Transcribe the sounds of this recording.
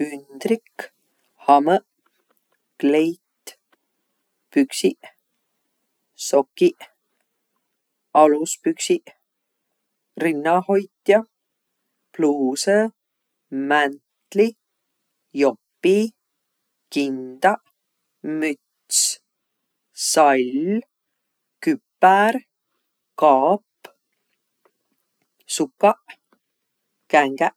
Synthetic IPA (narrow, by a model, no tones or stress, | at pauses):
ynd̪̥rik | hɑmə | klejt̪ | pyksiʔ | so̞kːiʔ | ɑluspyksiʔ | rinːɑho̞jt̪jɑ | pluːse | mænt̪li | jo̞pːi | kind̪̥ɑʔ | myt̪s | sɑl | kypːæɾ | kɑːpː | sukːɑʔ | kæŋɡ̥æʔ